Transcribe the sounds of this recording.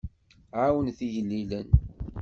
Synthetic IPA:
ʕawənθijəlːilən

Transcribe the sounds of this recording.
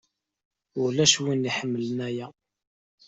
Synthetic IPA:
ʊɾlæʃwinːiħəmːələnæjæ

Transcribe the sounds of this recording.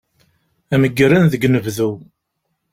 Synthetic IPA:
æməɡːəɾænðəɡnəvðu

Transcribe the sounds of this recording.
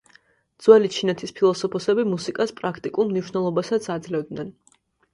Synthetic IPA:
d̪zwɛlit͡ʃʰinɛt̪ʰispʰilˠɔsɔpʰɔsɛbimusikʼaspʼɾakʰt̪ʼikʼulˠmniʃnɛlˠɔbasat̪sʰad̪zlɛvd̪nɛn

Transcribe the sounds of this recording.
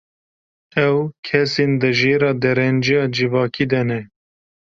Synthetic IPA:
ɛwkʰɛseːnd̪ɨʒeːɾɑːd̪ɛɾɛnd͡ʒijɑːd͡ʒɨvɑːkiːd̪ɛnɛ

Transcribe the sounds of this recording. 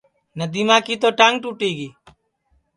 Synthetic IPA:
nəd̪iːmãːkiːt̪oːʈaŋɡ̚ʈuːʈiːɡiː

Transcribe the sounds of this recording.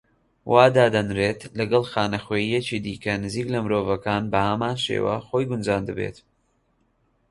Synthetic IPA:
wʔaːd̪aːd̪ɐnɾeːt̪lɐɡɐlˠxaːnɐxweːjijet͡ʃid̪iːkɐnɨziːklɐmɨɾoːvɐkaːnbɐhɐmaːnʃḛwɐ̰xojɡʊnd͡ʒaːnd̪ɨbḛt̪

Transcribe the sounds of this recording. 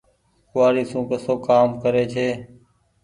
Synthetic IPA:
kʊʋaːɾiːsũːkəsoːkaːmkəɾeːt͡ʃʰeː

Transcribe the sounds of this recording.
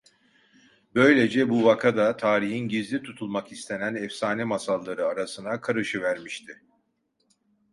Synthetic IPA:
bø̞jlʲe̞d͡ʒɛbuvakʰad̪at̪ʰaːɾiɦinɟizlʲit̪ʰut̪ʰulˠmakist̪ʰe̞nænɛfsaːnɛmasalˠːaɾɯaɾasɯnakʰaɾɯʃɯvæɾmiʃt̪ʰɪ

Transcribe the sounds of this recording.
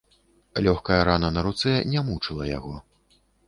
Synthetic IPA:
lʲɔxkɐjɐɾanɐnɐɾut̪sɛnʲɛmut͡ʂɨlˠɐja̰ɣɔ

